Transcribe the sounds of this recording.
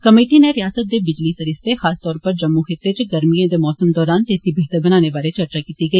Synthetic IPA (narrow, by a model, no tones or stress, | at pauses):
kəmeːʈiːneɾɪjaːsət̪̚d̪eːbɪd͡ʒliːsəɾɪst̪exaːst̪ɔːɾpəɾd͡ʒəmːuxɪt̪ːeːt͡ʃɡəɾmiãːd̪eːmɔːsəmd̪ɔːɾaːnt̪eːsiːbeːɦt̪əɾbənaːneːbaːɾeːt͡ʃəɾt͡ʃaːkiːt̪iːɡəiː